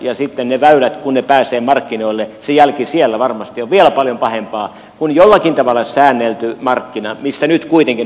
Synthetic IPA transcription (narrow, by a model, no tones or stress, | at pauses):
jɑsit̪ːenneʋæylæt̪kunnepæːseːmɑrkːinoilːesejælkisielːæʋɑrmɑst̪ioʋʋielæpɑljompɑhempɑː | kunjolːɑkint̪ɑʋɑlːˑɑsæːnːelt̪ymɑrkːinɑmist̪ænyt̪kuit̪eŋki